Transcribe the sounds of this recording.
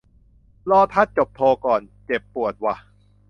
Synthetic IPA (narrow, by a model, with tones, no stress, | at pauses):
lɔː˧t̪ʰa˦˥˩t̪̚t͡ɕo˨˩p̚t̪ʰoː˧kɔː˨˩nt͡ɕe˨˩pːu˨˩ət̪̚wa˧˩